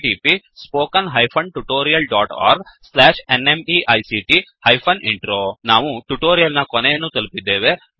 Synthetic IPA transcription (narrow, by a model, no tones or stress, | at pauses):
iːpi | spoːkɐnɦɐjpʰɐɳʈuʈoːɾijɐlɖaːʈa̰ːɾɡslaːʂenemiʔɐjsiʈihɐjpʰɐniɳʈɾoːnaːʋuʈuʈoːɾijɐlnɐkɔnejɐnːut̪ɐlupid̪ːeːʋe